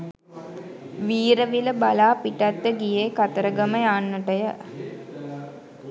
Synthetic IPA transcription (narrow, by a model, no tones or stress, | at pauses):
ʋiːɾəʋiləbalaːpiʈat̪ːəɡijeːkat̪əɾəɡəməjaːnːəʈəjə